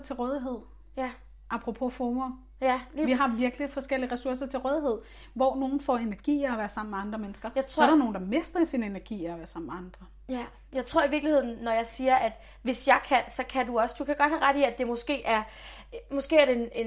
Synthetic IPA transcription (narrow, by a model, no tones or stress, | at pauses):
t͡sʰe̝lʁɔːð̞ˠiɦe̝ð̰ˠ | j | ʔɑ̈pʰʁopʰo̝fomo | ʋiɦɑ̈ʋiɐɡ̥lifɒ̽sɡ̥el̰iəʁɛsuɐs̬ɐt͡sʰe̝lʁœːð̞ˠiɦe̝ð̰ˠ | ʋɒːno̝ːn̩fɒ̰e̝næɐɡ̥ḭːɒʋæːɐsɑ̈m̰̩meɑ̈nd̥ʁɐmenəsɡ̥ɐt͡sʰsɒæɾæɐno̝ːn̩d̥ɑ̈me̝sd̥ɐisinenæɐɡ̥ḭːɒʋæːɐsɑ̈m̰meɑ̈nd̥ʁɐ | jɑ̈ɪt͡sʰʁo̝ɐ̰iʋiɐɡ̥lihe̝ð̰ˠn̩ːɒjɑ̈ɪsiːɐʔæd̥ | ʋe̝sjɑ̈ɪkʰænsɒ̽kʰæd̥uɒ̽sd̥ukʰæɡ̥ɒ̽d̥̚hæʁad̥iæd̥e̝mɔ̽sɡ̥e̝̰ːʔæɐ | mɔsɡ̥e̝̰ːæɐɾe̝nen